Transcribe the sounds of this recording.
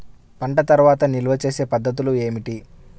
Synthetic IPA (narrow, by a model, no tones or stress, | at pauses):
pɐɳʈɐt̪ɐɾuʋaːt̪ɐniluʋɐt͡ʃe̞ːse̞ːpɐd̪ːɐt̪̬ulue̞ːmiʈi